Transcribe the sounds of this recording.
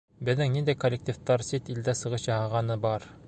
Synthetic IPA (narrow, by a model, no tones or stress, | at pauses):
bɘ̆ðːɘŋnind̪æjkolʲːek̚t̪ʲift̪ɑɾsit̪ild̪æsɤ̆ʁɤɕjɑhɑʁɑnɤbɑɾ